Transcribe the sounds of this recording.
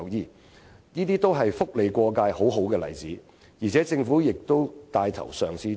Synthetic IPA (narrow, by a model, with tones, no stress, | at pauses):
jiː˨ | niː˥t̪iː˥t̪o˥wɦɐ˨jfʊ˥k̚le˨jkʷɔː˧kaː˧jho˨˥wɦo˨˥wkɛː˧lɐ̰˨˩jt͡siː˨˥ | jiː˨˩t͡sʰɛː˨˥t͡sɪ˧ŋfuː˨˥jɪ˨k̚t̪o˥wt̪aː˧jt̪ʰɐ̰˨˩wsœː˨ŋt͡sʰiː˨˥